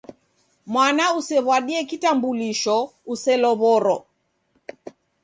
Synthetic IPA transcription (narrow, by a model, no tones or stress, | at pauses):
mwanausɛβwaɗiɛkitambuliʃɔusɛlɔβɔɾɔ